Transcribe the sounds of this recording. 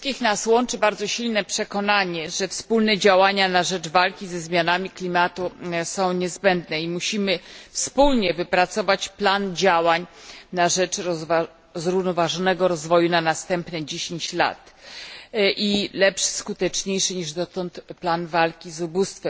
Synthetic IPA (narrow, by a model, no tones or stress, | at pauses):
t̪kʲixnaswɔnt͡ʂɘbaɾd̪zɔɕilnɛpʂɛkɔnaɲɛʐɛfspulnɛd͡ʑawaɲanaʐɛd͡ʐvalkʲizɛzmʲjanamʲiklʲimat̪usɔ̃w̃ɲɛzbɛnd̪nɛimuɕimɘfspulɲɛvɘpɾat̪sɔvat͡ɕpland͡ʑawaɲnaʐɛt͡ʂ | zɾuvnɔvaʐɔnɛɡɔɾɔzvɔjunanast̪ɛmpnɛd͡ʑeɕeɲt͡ɕla̰t̪ | ʔilɛpʂskut̪ɛt͡ʂɲejʂɘɲiʐd̪ɔt̪ɔnt̪planvalkʲizubust̪fɛ